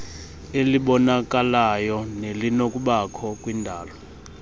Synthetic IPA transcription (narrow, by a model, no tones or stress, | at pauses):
eliɓɔnak̬ʼalajɔnelinok̬ʼuɓakʰɔkʼwindʱaːlɔ